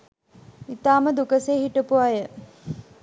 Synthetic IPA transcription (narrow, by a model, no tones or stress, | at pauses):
it̪aːməd̪ukəseːɦiʈəpuajə